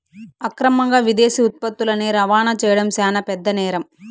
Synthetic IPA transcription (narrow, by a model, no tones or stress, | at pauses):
ɐkɾɐmɐŋɡaːʋid̪eːsiut̪̚pɐt̪ːulɐneːɾɐʋaːnɐt͡ʃɛːjɐɽɐmsɛːnɐpɛd̪ːɐnɛːɾɐm